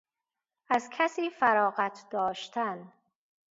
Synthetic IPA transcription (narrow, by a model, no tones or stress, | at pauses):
ʔæzkʰæsiːfæɾɒːɣæt̪ʰd̪̥ɒːʃt̪ʰæn